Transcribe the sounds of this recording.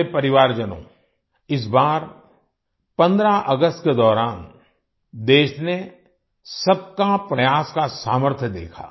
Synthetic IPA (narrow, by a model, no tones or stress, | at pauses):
epɐɾɪʋaːɾd͡ʒənõ̰ː | ɪs̬baːɾ | pɐ̃nd̪ɾaʔɐɡəst̪ked̪ɔːɾaːn | d̪eːʃne | sɐb̚kapɾɐjaːskasaːməɾt̪ʰjəd̪ḛːkʰa̰ː